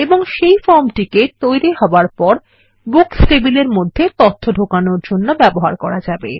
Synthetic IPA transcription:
eboŋʃejfɔɾmʈiket̪ojɾiɦɔaɾpɔɾ | buksʈebileɾmod̪ʱːet̪ot̪ʰːoɖʱokanoɾd͡ʑonːobɛboɦa̰ɾkɔɾad͡ʑabḛ

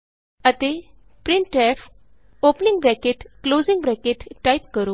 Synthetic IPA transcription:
ət̪e | pɾiɳʈɛf | opniŋɡbɾɛkeʈklod͡ziŋɡbɾɛkeʈːajp̚kəɾo

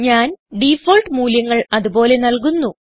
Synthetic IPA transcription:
ɲaːnɖifoːlʈɨmuːljɐŋːɐɭɐðubo̞ːle̞nɐlk̬unːu

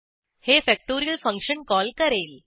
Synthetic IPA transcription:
hefɛk̚ʈoɾijəlfə̃ŋkʂənkɔlkəɾel

